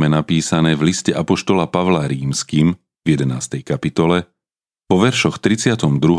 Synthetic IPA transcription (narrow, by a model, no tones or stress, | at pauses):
mɛnapiːsanɛːvliscɛʔapɔʃt̪ɔlapaʋlaɾiːmskiːm | vjɛd̪ɛna̰ːst̪ɛjkapit̪ɔlɛ | pɔʋɛɾʃɔxt̪ɾit͡sɪat̪ɔmd̪ɾuɦ